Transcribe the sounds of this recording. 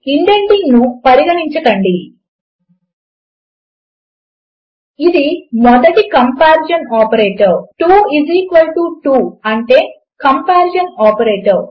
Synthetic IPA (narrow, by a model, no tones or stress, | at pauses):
iɳʈeɳɖiŋnupɐɾiɡɐɽiɲt͡ʃɐkɐɳɖi | id̪imɔd̪ɐʈikɐmpaːɾd͡ʒɐnaːpɐɾeːʈɐɾʈuːiziːkʋɐlʈuʈuːɐɳʈe̞ː | kɐmpaːɾd͡ʒɐnɔːpɐɾeːʈɐɾ